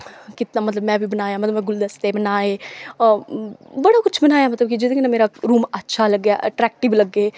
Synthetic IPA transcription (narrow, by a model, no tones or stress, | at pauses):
kɪt̪namɐt̪ləbmɛ̃ːbʱibɐnaːjamɐt̪lbmɛ̃ɡʊld̪ɐst̪ebɐnaːe | bɐɽakʊt͡ʃʰbɐnaːjamɐt̪ləbkid͡ʒɪt̪kinameːɾaɾuːmɐtːʃʰalɐɡːjaʔɐʈɾɛːk̚ʈɪblɐɡeː